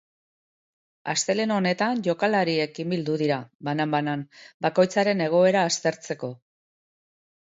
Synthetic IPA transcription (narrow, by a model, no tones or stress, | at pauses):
ast̪e̞le̞no̞ne̞t̪aɲʝo̞kalaɾie̞kimbild̪uðiɾabanambananbako̞jt͡saɾe̞ne̞ɣ̞o̞e̞ɾaːst̪e̞ɾt͡se̞ko̞